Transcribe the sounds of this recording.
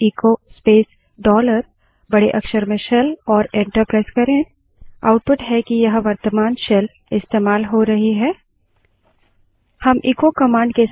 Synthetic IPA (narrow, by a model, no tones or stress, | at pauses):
iːkospeːs | ɖɔːləɾ | bɐɽeʔɐkʃəɾmẽʃɛlɔːɾẽːɳʈəɾpɾaːɪzkɐɾẽ | a̰ːʊʈ̚pʊʈɦɛkijɐɦʋɐɾt̪əmaːnʃɛl | ɪst̪eːmaːlɦoɾɐɦiɦɛː | hɐmʔiːkokɐmãːɳɖ̚ke